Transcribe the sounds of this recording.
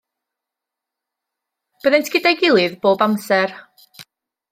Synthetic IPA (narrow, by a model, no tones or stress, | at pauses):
b̥əðejntʰɡ̥ɪdajɡɪlˠɨðboːbamsɛr